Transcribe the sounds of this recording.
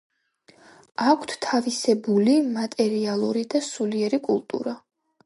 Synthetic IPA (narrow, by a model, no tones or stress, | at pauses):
akʷʰt̪ʰt̪ʰavisɛbulimat̪ʼɛɾialˠuɾid̪asuliɛɾikʼṵlˠt̪ʼṵɾa